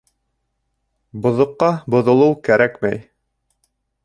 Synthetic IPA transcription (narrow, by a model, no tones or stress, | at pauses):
bŏðŏqːɑbŏðŏlˠɤwkæɾækmæj